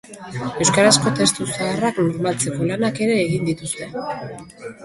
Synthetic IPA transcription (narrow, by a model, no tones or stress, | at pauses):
e̞wskaɾasko̞t̪e̞st̪usaraknoɾmalt͡se̞ko̞lanake̞ɾe̞ːɣind̪it̪ust̪e̞